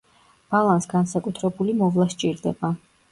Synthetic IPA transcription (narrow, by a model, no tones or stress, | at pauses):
b̥alˠansɡansakʼut̪ʰɾɛbulimɔvlˠast͡ʃʼiɾd̪ɛba